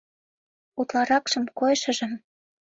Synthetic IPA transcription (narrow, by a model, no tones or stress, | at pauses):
ut̪lɑɾɑkʃɤ̆mkojʃɤ̆ʒɤ̆m